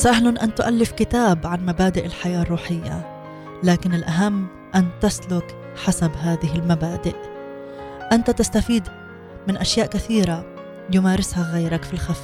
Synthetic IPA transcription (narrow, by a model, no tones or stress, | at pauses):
sahlanʔant̪ʊʔalːɪfkɪt̪aːbʕanmabaːd̪ɪʔɪlħajaːrˤːuːħɪjːa̰ | laːkɪnɪlʔaɦamː | ʔant̪aslʊk | ħasabɦaːðɪɦɪlmabaːd̪ɪʔ | ʔant̪at̪ast̪afiːd̪ | mɪnʔaʃjaːʔkaθiːɾa | jʊmaːɾɪshaɣajɾakfilxaf